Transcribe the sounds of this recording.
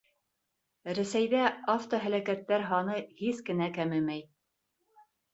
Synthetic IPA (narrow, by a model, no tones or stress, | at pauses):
ɾæsæjðæaft̪oɦælækæt̪ːæɾɦɑnɤhiskɘ̆nækæmɘmæj